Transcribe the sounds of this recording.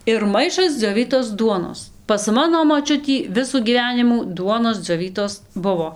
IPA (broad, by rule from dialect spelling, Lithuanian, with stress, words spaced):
ɪr ˈmɐɪʃɐs d͡zʲoːˈʋʲiːtoːs ˈduɔnoːs pɐs ˈmɑːnoː ˈmoːt͡ʃʲʊtʲiː ˈʋʲɪsuː ɡʲiːˈʋʲæːnʲɪmuː ˈduɔnoːs d͡zʲoːˈʋʲiːtoːs ˈbʊʋoː